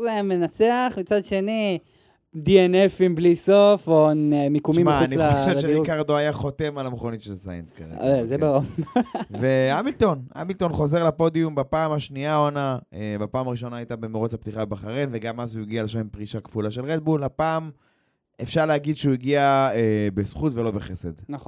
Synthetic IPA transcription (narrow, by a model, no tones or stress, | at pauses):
zemenat͡seaχmit͡sad̪ʃe̞ni | dienefimblisofomikumʃimmaːnioʃeʃeikaʁd̪oajaχo̞t̪e̞malameχonitʃelsa̰jenska̰ʁḛezebao | veamilt̪o̞nʔa̰milt̪o̞nχo̞ze̞ʁlapo̞d̪iumbapaːmhaʃniaonaebapaːmaʁiʃo̞naːjt̪abe̞meʁot͡shapt̪iχabbaχaʁenve̞ɡamazuiɡialeʃamimpʁiʃakfulaʃe̞lʁed̪̚bulapaːm | efʃaʁleaɡid̪ʃeuiɡiaebesχut̪ve̞lo̞beχese̞dnaχ